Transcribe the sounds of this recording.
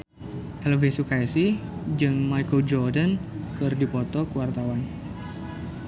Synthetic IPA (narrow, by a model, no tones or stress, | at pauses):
ʔɛlvesukajsid͡ʒɨŋmajkəld͡ʒɔrdankɨrdipɔt̪ɔkəwart̪awan